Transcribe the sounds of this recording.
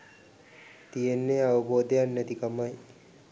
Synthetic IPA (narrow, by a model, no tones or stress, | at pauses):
t̪ijenːeaʋuboːd̪ejanːət̪ikɐmaj